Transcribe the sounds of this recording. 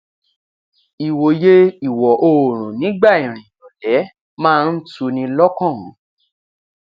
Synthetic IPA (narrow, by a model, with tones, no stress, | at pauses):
i˨wo˨je˦i˨wɔ˨ʔo˨ɾ̃ũ˨nĩ˨˦ɡ͡ba˦˨i˨ɾ̃ĩ˨jɔ̃˨lɛ˨˦ | mãː˦˧n̩˦tu˧nĩ˧lɔ˦kɔ̃˦˨˦